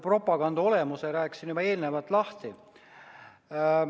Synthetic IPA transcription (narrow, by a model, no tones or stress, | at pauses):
pro̞pːˑɑɡ̥ɑnd̪o̞le̞museɾæːksinybɑe̞ːlnevɑt̪ːˑlɑht̪i